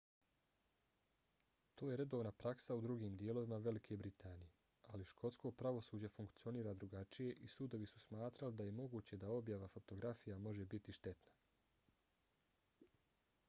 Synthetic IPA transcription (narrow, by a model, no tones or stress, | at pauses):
t̪o̞ːje̞ɾe̞d̪o̞ːʋnapɾaksaud̪ɾuɡiːmd̪ije̞lˠo̞ʋimaʋe̞likʰe̞bɾit̪ʰaːnije̞ | aliʃkʰo̞t̪sko̞pɾaʋo̞suːd͡ʑefuŋkt̪sio̞niːɾaːd̪ɾuɡat͡ʃije̞ʔisud̪o̞ʋisu̥smaːt̪ɾalid̪aje̞mo̞ɡuːt͡ɕe̞d̪ao̞bjaʋafo̞t̪o̞ɡɾafijamo̞ʒe̞bit̪iʃt̪e̞t̪na